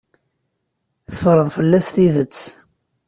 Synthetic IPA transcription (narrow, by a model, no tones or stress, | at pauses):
θəfɾˤəðfəlːæst̪iðət͡sː